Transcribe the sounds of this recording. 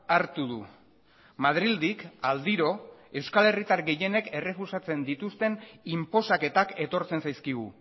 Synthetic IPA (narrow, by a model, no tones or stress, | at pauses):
aɾt̪uðṵ | mað̞ɾild̪ikald̪iɾo̞e̞wskale̞rit̪aɾɡe̞je̞ne̞ke̞re̞fusat͡se̞nd̪it̪ust̪e̞nimpo̞sake̞t̪ake̞t̪o̞ɾt͡se̞nsajskiɣṵ